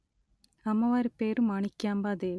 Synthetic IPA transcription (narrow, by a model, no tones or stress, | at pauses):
ɐmːɐʋaːɾpeːɾɯmɐɳikːaːmbaːd̪eː